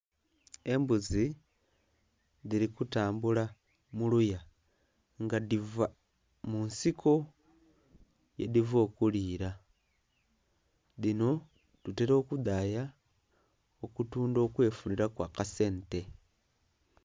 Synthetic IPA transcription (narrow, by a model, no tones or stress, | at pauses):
e̞mbuzi | ðiɾikutaːmbula | muluja | ŋɡadiva | munsiko | jḛdivo̞ːkuliːɾa | ðino̞ | tuteɾo̞ːkud̪aːja | okutuːndo̞ːkwe̞ːfuniɾakwaːkase̞ːnte̞